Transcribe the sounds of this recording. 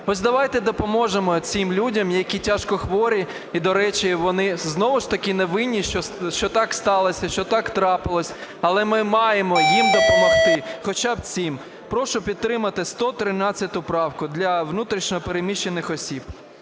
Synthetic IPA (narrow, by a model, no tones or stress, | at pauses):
ɔsʲd̪ɐʋɑjt̪ɛd̪ɔpɔmɔʒemɔt͡sʲɪmlʲudʲɐmjɐkʲitʲaʃkɔxʋɔɾʲi | id̪ɔɾɛt͡ʃiʋɔnɪznɔʋʊʃt̪ɐkʲɪneʋɪnʲːiʃɔʃt͡ʃɔt̪ɑkst̪ɑlˠɔsʲɐʃt͡ʃɔt̪ɑkt̪ɾɑpɪlˠɔsʲɐlˠɛmɪmɑjemɔjimd̪ɔpɔmɔxt̪ɪxɔt͡ʃab̚t͡sʲim | pɾɔʃʊpʲid̪̚t̪ːɾɪmɐt̪ɪst̪ɔt̪ɾɪnɑt͡sʲːɐt̪ʲʊpɾɑwkʊd̪lʲɐʋnut̪ɾʲiʃnʲɔɔpeɾemʲiʃːenɪxɔsʲib